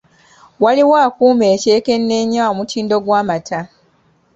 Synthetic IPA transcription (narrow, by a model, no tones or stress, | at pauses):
waliwaːkuːme̞ːce̞ːke̞nːe̞ɲaomutʰiːndo̞ɡwaːmatʰa